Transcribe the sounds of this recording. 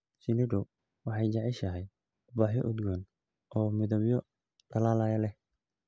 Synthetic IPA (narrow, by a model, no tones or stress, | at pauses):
sɪnɪɖʊ | wɑħɑjt͡ʃɑʕiʃɐɦɛj | ʊbaːħjɔʔʊd̪ɡɔn | ʔɔːmɪðɐbjɔ | ɖ̥ɐlaːlajɐlɛh